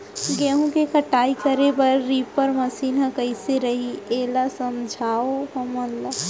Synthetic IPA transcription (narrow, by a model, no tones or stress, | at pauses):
ɡeːɦũkekʰɐʈaːikəɾebɐɾːipəɾmɐsiːnɦãkəɪseɾɐɦiʔeːlasəmd͡ʒʱaːoɦɐmənla